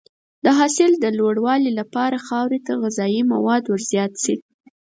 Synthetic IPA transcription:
d̪əɦɑsɪld̪əlwoɽwɑlilapɑɾaxɑwɾet̪aɣazɑjima̰wɑd̪wəɾzjɑt̪si

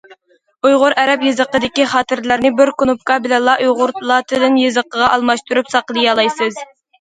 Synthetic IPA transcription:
ujʁʊɾʔɛɾɛpjɨzəqəd̪ɪkʲiχɑːt̪ɪɾlæɾnɪbɪɾkunup̚kɑbɪlɛnlˠɑʔujʁʊɾt̪lˠɑt̪ʰɨd̪ɪnjɨzəqəʁɑʔɑlˠmɑʃt̪uɾupsɑqəlˠɨjɑlˠɑjsɨz

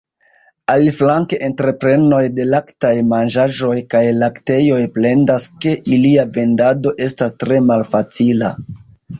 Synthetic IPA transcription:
aliflaŋke̞ʔentɾe̞pɾe̞no̞jde̞laktajmanʒaʒo̞jkajlakte̞jo̞jple̞ndaske̞ʔiliave̞ndado̞ʔe̞stastɾe̞malfat͡sila̰

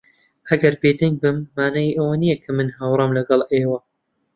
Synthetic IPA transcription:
ʔɐɡɐɾbeːd̪ɐŋɡ̚bɨmːaːnajiʔɐwɐnijɐkʰɐmɨnɦaːwrˤɑmlɐɡɑlˠʔeːwɐ

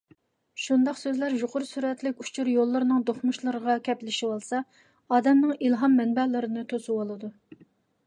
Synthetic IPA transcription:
ʃund̪ɑqsøzlæɾjoqʰʊɾsyɾɛt̪lɪkʲut͡ʃʰuɾjolˠːɨɾɨnɨŋd̪oχmuʃlˠɨɾəʁɑkʲʰɛplɪʃiwolˠsɑ | ɑːd̪ɛmnɨŋilˠɦɑmːɛnbɛlɨɾɨnɨt̪ʰosuwolˠɨd̪u

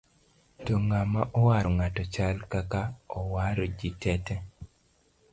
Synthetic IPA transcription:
tɔŋamaʔɔwaɾɔŋatɔt͡ʃalkakaɔwaɾɔd͡ʒitɛtɛ

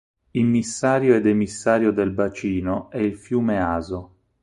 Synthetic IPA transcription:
ilmisːaːɾjoed̪emisːaːɾjod̪elbat͡ʃiːnoɛilfjuːmeaːzo

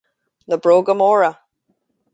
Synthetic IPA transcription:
ləbɹoɡəmɔɹə

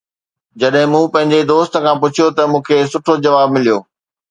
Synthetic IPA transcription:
d͡ʑɐɗɦɪ̃mũːpɐ̃ɦɪ̃ɲd͡ʑed̪oːst̪ə̆kʰãːpʊt͡ɕʰijot̪ɐmũːkʰeːsʊʈʰod͡ʑɐʋaːbmɪlijoː

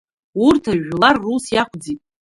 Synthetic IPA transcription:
urtʰaʒlarːusjaχʷʰʼd͡zitʼ

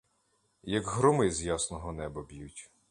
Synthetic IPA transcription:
jɐɡɦɾʊmɪzjasnɔɦɔnɛbɐbʲjutʲ

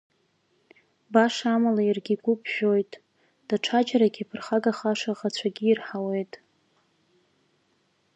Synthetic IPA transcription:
baʂamalairɡʲiɡʷʼʊpʰʼʒᶣo̞jtʼ | d̥aʈ͡ʂʰad͡ʒaɾaɡʲipʰɨrχaɡaχaʂaʁat͡ɕʷʰaɡʲiːrħawe̞jtʼ

